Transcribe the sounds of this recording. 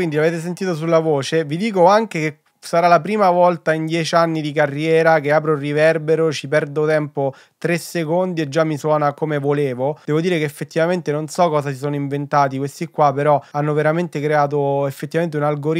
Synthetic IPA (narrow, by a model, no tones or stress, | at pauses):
kwind̪ilaveːt̪̬es̬ent̪iːt̪os̬ulːavoːt͡ʃevid̪iːkoaŋk̟eke | saɾalapɾiːmavɔlt̪aind̪jɛːt͡ʃianːid̪ikarːjɛːɾakeaːpɾorivɛrbeɾot͡ʃipɛrd̪ot̪ɛmpo | t̪ɾesːekond̪ied͡ʒːamːiswɔːnakomevoleːvod̪ɛːvod̪iːɾekeːfːet̪ːivament̪enonsɔkːɔːzasisoːnoiɱvent̪aːt̪ikwest̪ikːwapːeɾɔanːoveɾament̪ekɾeaːt̪̬oefːet̪ːivament̪eunalɡoɾ